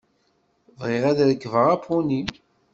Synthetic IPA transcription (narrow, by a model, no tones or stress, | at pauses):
vʁɪʁæðɾəkːvəʁapʰuni